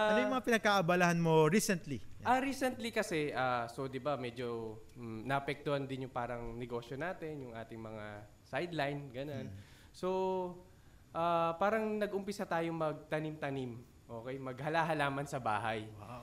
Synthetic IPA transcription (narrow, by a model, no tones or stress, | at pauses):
ʔanojmɐŋapɪnɐɡ̚kaʔɐbaːlahanmoɾisɛnt̪liʔaɾiːsɛnt̪likɐsɛʔaːso̞d̪ɪbamɛːd͡ʒo̞ | nɐʔɐpɛk̚t̪ʊhand̪ɪnjʊŋpaːɾɐŋnɛɡo̞ːʃjo̞naːt̪ɛnjʊŋʔaːt̪ɪŋmɐŋa | sajd̪lajnɡɐnon | so̞ | ʔaːpaːɾɐŋnɐɡʔʊmpɪsat̪aːjomɐɡ̚t̪ɐnimt̪ɐnim | ʔo̞ːkɛjmɐɡ̚hɐlaɦɐlaːmɐnsɐba̰ːɦɐj